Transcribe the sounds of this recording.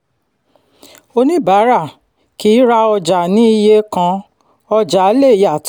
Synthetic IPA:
o˧nĩ˦ba˨˦ɾa˦˨ | ki˨˦ɾa˧ɔ˧d͡ʒa˨nĩ˨˦i˦˧je˦˧kã˧ | ɔ˧d͡ʒa˨˦le˦˨ja˦˨t

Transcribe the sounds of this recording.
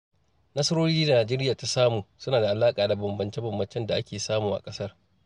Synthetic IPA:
nɐ˦sɐ˦ɾoː˦ɽiː˦da˨naː˨d͡ʒeː˦ɾɪ˦jaː˨ta˦saː˦muː˨sʊ˦naː˨da˨ʔa˨laː˦kʼaː˨da˨bɐ˨mbɐ˨nt͡ʃe˦bɐ˨mːbɐ˨t͡ʃɛ˦nda˨ʔa˦kʲeː˨saː˦muː˨ʔa̰˨kʼɐ˦sɐ˦r

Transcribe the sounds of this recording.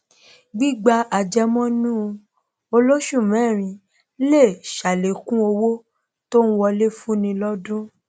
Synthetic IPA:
ɡ͡bi˦ɡ͡ba˧a˨d͡ʒɛ˧mɔ̃˦nũ˦˧ | o˧lo˦ʃũ˦˨mɛ̃˨˦˨ɾ̃ĩ˧˦ | le˦˨ʃa˨le˨kũ˦o˧wo˦ | to˦n̩˦wɔ˧le˦fũ˦nĩ˧lɔ˦dũ˦

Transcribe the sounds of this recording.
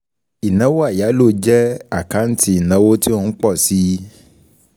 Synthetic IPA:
i˨nã˨˦wo˦a˦˨ja˨˦lo˦˧˨d͡ʒɛ˦a˦˨ka˦n̩˦ti˦i˨nã˨˧˦wo˦ti˦o˧n̩˦k͡pɔ˦˨si˧˦

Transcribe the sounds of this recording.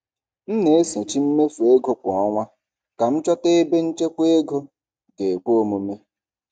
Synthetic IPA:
n̩˦ne˨e˦se˨t͡ʃi˦m̩˦me˦fu˨e˦ɡo˨k͡pʊ˨ɔ˦ŋʷa˦ | ka˨m̩˦t͡ʃɔ˦te˦e˦be˦n̩˦t͡ʃe˦kʷe˦ɡo˦ | ɡe˨kʷo˦mu˨me˦

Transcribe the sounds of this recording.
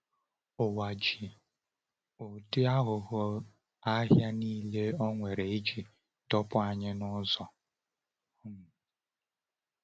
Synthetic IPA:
ʊ˨wa˨d͡ʒi˨ | ʊ˨dɪ˦a˦ɦʊ˨ɦʊ˦ | a˦ɦja˦niː˦le˦ɔ˦ŋʷe˨ɾe˨e˦d͡ʒi˨ | tɔ˦pʊ˦a˨ɲɪ˦nʊ˦zɔ˨˦˨

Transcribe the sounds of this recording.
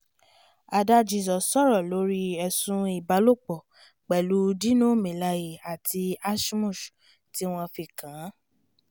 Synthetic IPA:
a˨da˦d͡ʒi˦˨sɔ˨ssɔ˦˨ɾɔ˨lo˨˦ɾi˦ɛ˧sũ˦i˨ba˨˦lo˦˨k͡pɔ˨ | k͡pɛ˨lu˨˦di˦nũ˦mẽ˨la˧ji˨a˨tʰi˧a˦ʃmũ˦˨ʃ | ti˦w̃ɔ̃˧fi˧kã˨˦

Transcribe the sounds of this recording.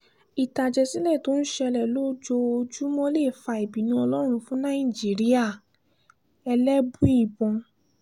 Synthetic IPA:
i˨ta˨d͡ʒɛ˧si˦lɛ˦˨to˨˦n̩˦ʃɛ˧lɛ˨lo˦d͡ʒo˧o˧d͡ʒu˦mɔ̃˦le˦˨fa˧i˨bi˨nĩ˦ɔ˧lɔ˦ɾ̃ũ˧fũ˦nã˦i˦˨d͡ʒi˨˦ɾi˦a˦˨ | ɛ˧lɛ˦bu˦i˦˨bɔ̃˧

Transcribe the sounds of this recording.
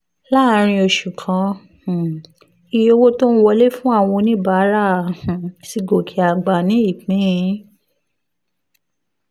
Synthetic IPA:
la˦˧ɾ̃ĩ˧o˧ʃu˨kʰã˨˦˨ | i˧jo˧˦wo˦to˦n̩˦wɔ˧le˦fũ˦a˦˨w̃ɔ̃˧nĩ˦ba˨˦ɾa˦˨hũ˨si˧ɡo˨kʰi˨a˨ɡ͡ba˨nĩ˨˦i˦˨k͡pĩ˨˦i˨˦

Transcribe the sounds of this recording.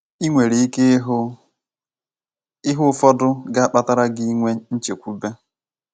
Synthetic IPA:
i˦ŋʷe˨ɾe˨i˦ke˦ɦʊ˦ | ɪ˦ɦʊ˦fɔ˦dʊ˦ɡa˦a˦˨k͡pa˦ta˦ɾa˦ɡɪ˦ŋʷe˦n̩˦t͡ʃe˨kʷu˦be˦

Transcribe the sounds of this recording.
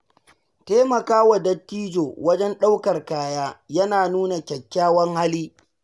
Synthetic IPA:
teː˦mɐ˨kaː˦wa˨dɐ˦tːiː˦d͡ʒoː˨wɐ˦d͡ʒɛ˦nɗa˦wkɐ˨rkaː˦jaː˦jɐ˦naː˨nuː˦na˨kʲɐ˨kʲːaː˦wɐ˦ŋha˦liː˦

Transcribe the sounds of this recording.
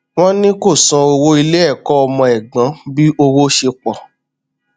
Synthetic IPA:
w̃ɔ̃˦nĩ˦ko˦˨sã˧o˧wo˦i˧le˦ɛ˦˨kɔ˦ɔ˧mɔ̃˧ɛ˨ɡ͡bã˨˦bi˦o˧wo˦ʃe˧k͡pɔ˨

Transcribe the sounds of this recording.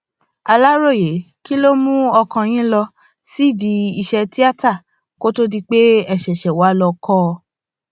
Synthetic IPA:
a˧la˦ɾo˦˨je˨˦ki˦lo˦mũ˦ɔ˧kã˧j̃ĩ˦lɔ˧ | si˦˨di˧˦i˧ʃɛ˧ti˦a˦˨ta˦˨ | ko˦to˦di˧k͡pe˦ɛ˦˨ʃɛ˨ʃɛ˨wa˨˦lɔ˧kɔ˦˧

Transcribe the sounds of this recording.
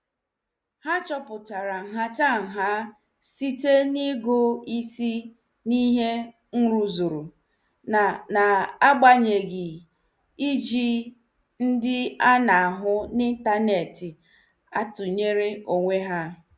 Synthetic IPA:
ha˦t͡ʃɔ˦pʊ˨ta˨ɾa˨ŋ̩˨ɦa˦ta˦˨ŋ̩˨ɦa˦ | si˦te˦ni˦ɡo˦i˦si˦ | ni˦ɦe˦ | n̩˦ɾu˦zu˨ɾu˨ | na˨a˦ɡ͡ba˦ɲe˨ɡɪ˨ | i˦d͡ʒi˦ | n̩˦dɪ˦a˦na˨a˨ɦʊ˦nɪ˦n̩˦ta˦ne˨tɪ˨ | a˦tʊ˨ɲe˦ɾe˦o˨ŋʷe˦ɦa˦

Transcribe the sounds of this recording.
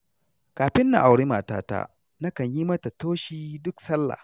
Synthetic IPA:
kaː˨ɸɪ˦nːa̰˨ʔa˨wɽeː˦maː˨ta̰ː˦ta̰˦ʔ | na˦kɐ˨ɲji˦mɐ˦ta˨toː˦ʃiː˦dʊ˦ksɐ˦lːa̰˨

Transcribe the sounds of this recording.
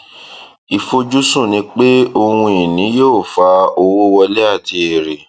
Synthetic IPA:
i˨fo˧d͡ʒu˦sũ˦˨nĩ˧˦k͡pe˦o˧hũ˧i˨nĩ˨˦joː˦˨fa˨˦o˧wo˦wɔ˧lɛ˦a˦˨ti˧e˨ɾe˨

